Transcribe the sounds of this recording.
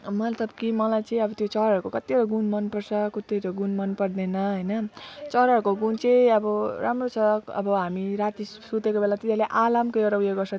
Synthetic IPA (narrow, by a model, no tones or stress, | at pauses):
mʌt̪lʌbkimʌlajt͡sʌĩʌbʌt̪jot͡sʌɾʌɾkokʌt̪ːioɾʌɡunmʌnpʌrsʰʌkut̪et̪oɡunmʌnpʌrd̪enʌɦʌjnʌt͡sʌɾʌkoɡunt͡sʌĩʌbʌɾʔamrot͡sʰʌkʌ̰bʌɦamiɾat̪isut̪ekobelat̪it̪aleʔalamkʌjoɾaujeɡʌrsʰʌ